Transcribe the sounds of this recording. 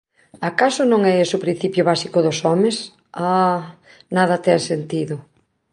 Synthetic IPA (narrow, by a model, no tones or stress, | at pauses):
akasʊnõŋɛesʊpɾin̟θipjʊβasikʊðʊsɔmes | a | naðɐt̪ɛŋsent̪iðʊ